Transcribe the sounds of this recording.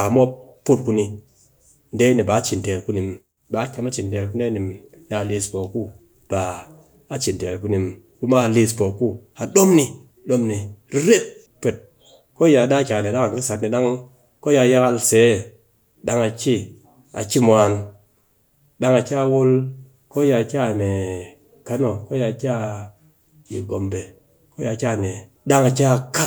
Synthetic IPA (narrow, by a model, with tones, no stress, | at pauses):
a˨mo˦ppːu˦t̚ku˧ni˧ | n̩˦de˦ni˨ba˨˦t͡ʃi˨n˨te˨ɾku˦ni˨m | ba˨˦kʲe˧˦ma˦t͡ʃi˨nde˨lku˦de˦ni˨m | ni˨a˨li˧spo˨ku˦ | b̥aː˨˦ | t͡ʃi˨n˨te˨ɾku˦ni˨m | ku˦ma˦˨li˧spo˨ku˦ha˨ɗo˦mni˧ | ɗo˦mni˨ɾi˦ɾe˦p̚ | pe˨t̚ | ko˦ja˨da˦kʲa˨ne˨ɗa˦ŋa˨ki˦sa˨tni˨ɗa˦ŋ | ko˦ja˧˦ja˦ka˧lse˨˦˨ | ɗa˦ŋa˨t͡ʃi˦ | a̰˨t͡ʃi˦mʷ˨a˨n | ɗa˦ŋa˨t͡ʃa˦˨wo˦l | ko˦ja˨kʲa˦˨ne˨ | ka˦no˨ko˦ja˧˨ka˦ | ji˨ɡo˨mbe˨ | ko˦ja˨ka˦˨ne˨ | da˦ŋa˨t͡ʃa˦˨ka˦